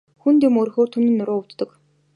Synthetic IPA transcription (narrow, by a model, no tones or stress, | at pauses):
xunt̪iːmɵɾ̆xoːrt̪ʰunĭnːʊɾoːʊwt̪ːə̆k